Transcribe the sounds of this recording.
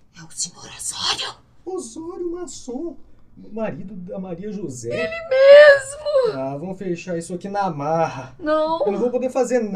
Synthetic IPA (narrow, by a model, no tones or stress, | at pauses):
ɛut͡ʃimoɾazɔɾʊ | ozɔɾʊmasõ | maɾid̪ʊɐmaɾiɐʒuzɛelɪmezmʊavɐ̃w̃fejʃaisʊakinɐmaɦɐnɐ̃w̪̃võw̃p̬od̪efazeɾn